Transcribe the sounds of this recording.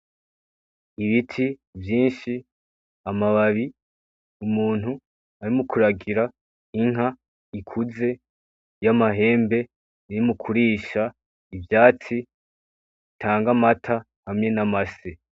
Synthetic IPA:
iβitʰi | vjiːnʃi | amaβaβi | umuːn̥hu | aɾimukuɾaɡiɾa | iŋɦa | ikʰuze̞ | jamaɦe̞ːmbe̞ | iɾimukʰuɾiːʃa | ivjaːt͡si | itʰaːŋɡamatʰa | hamŋe̞namase

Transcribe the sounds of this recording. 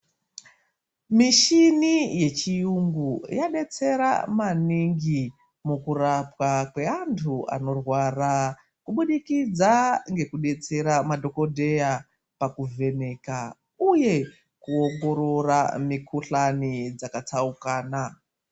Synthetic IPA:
miʃinije̞t͡ʃijuŋɡujaɗe̞t͡se̞ɾa̰maniŋɡi | mukurapwakwe̞antʰua̰no̞rwara | kuɓuɗikid͡zaŋɡe̞kuɗe̞t͡se̞ɾamadʱo̞ko̞dʱe̞ja | pakuve̞ne̞ːka | uje̞ | kuo̞ŋɡo̞ɾo̞ramikʰuɬanid͡zakat͡saukaːna

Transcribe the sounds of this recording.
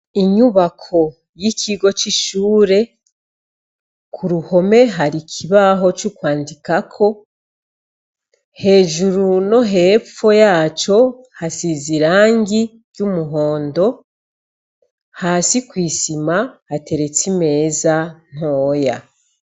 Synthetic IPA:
iɲuβakʰo̞ | jicʰiɡo̞t͡ʃiʃuːɾe̞ | kʰuɾuho̞me̞ɦaɾikʰiβaɦo̞t͡ʃukwaːndikakʰo̞ | he̞ːʒuɾuno̞ɦe̞fo̞jaːt͡ʃo̞ | hasiziɾaːŋɡi | ɾɟumuɦo̞ːndo̞ | haːsikwiːsimahate̞ɾe̞t͡sime̞ːzan̥ho̞ːja̰

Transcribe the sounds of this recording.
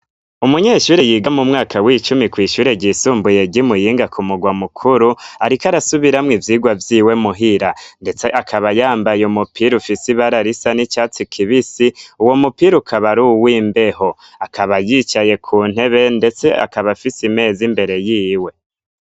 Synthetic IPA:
umuɲeːʃuːɾe̞jiːɡamumŋaːkawiːt͡ʃumikwiːʃuɾe̞ɟisuːmbuje̞ɟimujiːŋɡakʰumuɡwamukʰuɾuaɾikaɾasuβiɾamŋivjiːɡwavjiːwe̞muɦiɾande̞t͡se̞ʔakʰaβajaːmbajeumupʰiɾufisiβaɾaɾisanit͡ʃaːt͡sikʰiβisiuwo̞mupiɾukʰaβaɾuwiːmbe̞ɦo̞ | akʰaβajit͡ʃaje̞kʰuːn̥he̞βe̞nde̞t͡se̞ʔa̰kaβafisime̞ːzimbe̞ɾe̞jiːwe̞

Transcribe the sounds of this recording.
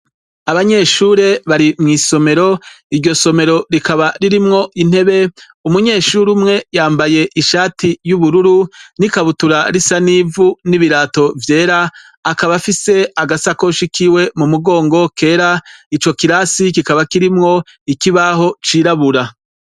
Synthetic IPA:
aβaɲe̞ːʃuːɾe̞βaɾimŋiːso̞me̞ɾo̞ | iɾɟo̞so̞me̞ɾo̞ɾikaβaɾiɾimŋo̞ʔin̥he̞βe̞ | umuɲe̞ːʃuːɾumŋe̞jaːmbaje̞ʔiʃaːtijuβuɾuɾunikaβutuɾaɾisaniːvuniβiɾaːto̞vje̞ːɾaː | kaβafise̞aɡasakoʃikʰiwe̞mumuɡo̞ːŋɡo̞kʰe̞ːɾait͡ʃo̞kiɾasikikaβakiɾimŋo̞ | ikiβaho̞t͡ʃiːɾaβuɾa

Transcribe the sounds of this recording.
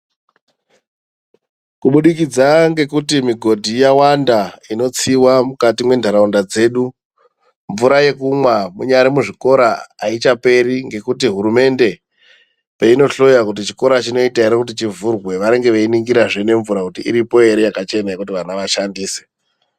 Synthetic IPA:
kuɓuɗikid͡zaŋɡe̞kutimiɡʱo̞dʱijawandaino̞t͡siwamukatimwe̞ndʱaɾaundad͡ze̞ːɗu | ɱvuɾaje̞kumwamuɲaɾimuʐiko̞ɾaːit͡ʃape̞ɾiŋɡe̞kutiɦuɾume̞nde̞ | pe̞ino̞ɬo̞jakut̬it͡ʃi̥ko̞ɾat͡ʃino̞itaeɾekut̬it͡ʃivurɣwe̞ʋaɾe̞ŋɡe̞ʋeiniŋɡiɾaʐene̞ɱvuɾakutiʔḭɾipo̞e̞ɾejakat͡ʃe̞najekut̬iʋanaʋaʃandiːse̥

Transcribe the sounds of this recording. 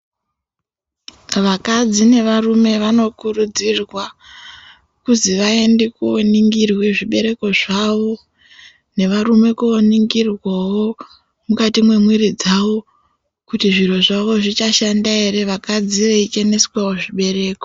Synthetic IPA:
ʋakad͡zine̞ʋarume̞ʋano̞kurud͡zirwa | kuziʋae̞ndekoniŋɡirwe̞ʐiɓe̞ɾe̞ko̞ʐaʋo̞ | ne̞ʋaɾume̞kooniŋɡirwawo̞ | mukatimwe̞mwiɾid͡zawo̞ | kutiʐiro̞ʐaʋo̞ʐit͡ʃaʃandae̞ɾe̞ʋakad͡ziʋeit͡ʃene̞swao̞ʐiɓe̞ɾe̞ːko

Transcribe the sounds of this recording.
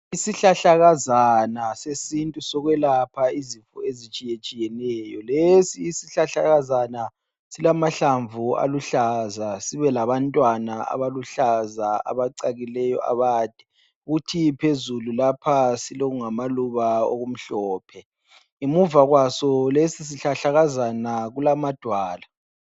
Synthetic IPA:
isiɬaɬaɣazanasesintʼusɔɣwɛlapʰaizifuezit͡ʃʼijet͡ʃʼijɛnɛːjɔlesiːsiɬaɬaɣazana | silamaɬaɱvʱua̰luɬazasiβɛlaβantʼwanaa̰βaluɬazaa̰βaǀaɣilɛjɔ̰ʔa̰βaːd̥ʱɛ̥ | uɣutʰipʰezululapʰasiloɣuŋamaluβao̰ɣum̩ɬɔːpʰɛ | imuvaɣwasɔlesis̬iɬaɬaɣazanaɣulamad̥ʱwaːla

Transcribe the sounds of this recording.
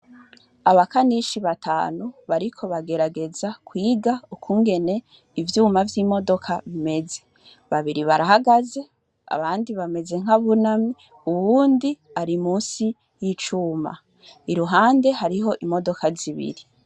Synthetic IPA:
aβakaniʃiβatʰa̰ːnuβaɾikʰo̞βaɡe̞ɾaɡe̞zakwiːɡaukʰuːŋɡe̞ne̞ | ivjuːmavjiːmo̞do̞kʰaβime̞ze̞ | βaβiɾiβaɾahaɡaze | a̰βaːndiβame̞ze̞ŋ̥haβunami | uβuːndi | aɾimuːnsi | jit͡ʃuːma̰ | iɾuɦaːnde̞ɦaɾiɦo̞ʔimo̞do̞kaziβḭɾi

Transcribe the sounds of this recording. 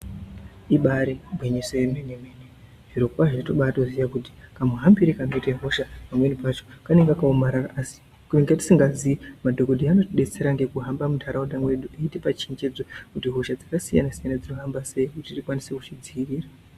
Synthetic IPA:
iɓaɾibʱweɲisojemenemene | ʐ̥iɾo̞kwaʐato̞ɓatozijakuti̥kameɦambiɾikano̞iteɦo̞ʃapamwe̞nipat͡ʃo̥kaneŋɡakaomaɾaraasi̥ | kuneŋɡeti̥siŋɡaziimadʱoɡodʱiano̞tiɗe̞t͡se̞ɾaŋɡe̞kuɦambamudʱaɾauɗamwe̞ɗueitepat͡ʃiɲd͡ʒe̞d͡zokutiɦo̞ʃad͡zakasija̰nasijanad͡ziroɦambase̞ikutirikwaniseku̥t͡ʃid͡ziiriːra

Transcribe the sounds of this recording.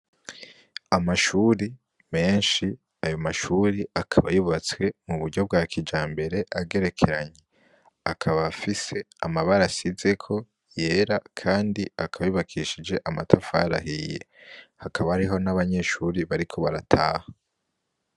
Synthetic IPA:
amaʃuɾi | me̞ːnʃi | ajo̞maʃuɾiakʰaβajuβat͡swe̞muβuɾɟo̞b̚ɡaːkʰid͡ʒaːmbe̞ɾe̞aɡe̞ɾe̞kʰe̞ɾaɲe̞ | akʰaβafise̞ | amaβaɾasize̞kʰo̞ | je̞ːɾakʰaːndiakaβajuβakʰiːʃid͡ʒe̞ʔamatʰafaɾa̰hije̞̰ | hakʰaβaːɾiɦo̞naβaɲe̞ʃuɾiβaɾikʰo̞βaɾatʰaːha

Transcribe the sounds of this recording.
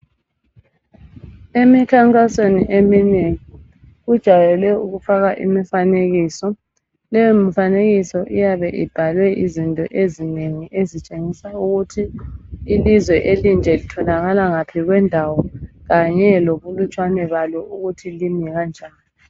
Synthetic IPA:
emikʰaŋkʼasweniʔemineŋi | ɣud̥ʒ̥ʱajɛlwɛuɣufaɣaʔḭmifaneɣiːsɔ | lɛjɔmifaneɣisɔʔijaβɛʔib̥ʱalwɛʔizintʼɔ̰ʔezineŋiʔezit͡ʃʼeŋisauɣutʰiː | lizwɛʔelind͡ʒʱɛlitʰɔlaɣalaŋapʰiɣwɛndʱawɔɣaɲɛloβulut͡ʃʼwanɛβalɔʔuɣutʰilimiɣand͡ʒʱaːni

